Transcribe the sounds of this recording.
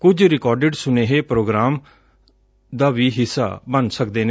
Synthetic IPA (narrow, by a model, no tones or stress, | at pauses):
kʊd͡ʒɾɪkɔːɾɖeɖsʊneːɦeːpɾoːɡɾaːm | d̪aːʋiːɦɪsːa̰ːbənsəkd̪eːne